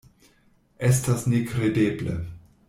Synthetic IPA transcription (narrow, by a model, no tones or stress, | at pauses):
es̬tasnekɾedeːblḛ